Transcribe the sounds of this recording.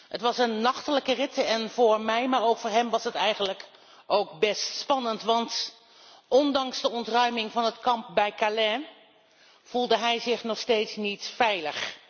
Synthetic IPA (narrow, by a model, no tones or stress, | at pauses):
hətʋɑsənːɑχtələkərɪtəɛnvʊːɹmɛjmaːɹowkfʊːɹɦɛmʋɑsətɛjχənlək | ʔowkbɛstspɑnəntʋɑnt | ʔɔndɑŋzdəɔntrœɥmɪŋvɑnɦətkɑmp̚bɛjkalɛ | v̥ulˠdəɦɛjzɪχnɔχstejtsnitfɛjləχ